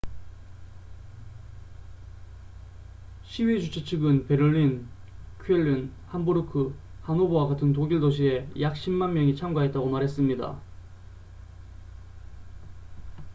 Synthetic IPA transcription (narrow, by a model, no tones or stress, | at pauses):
ɕʰiɥid͡ʑut͡ɕʰet͡ɕʰɯɡɯnpe̞ɾɯɭːin | kʰɥeʎːin | hamboɾɯkʰɯ | hanobowaɡatʰɯntoɡiɭdoɕʰie̞jak̚ɕ͈ʰimːanmjʌŋit͡ɕʰamɡwaɦe̞t̚t͈aɡomaɾɦe̞s͈ɯmɲida̰